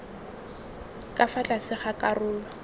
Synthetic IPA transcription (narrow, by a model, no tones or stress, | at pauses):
kʼafat͡ɬʼasɪχakʼarʊːla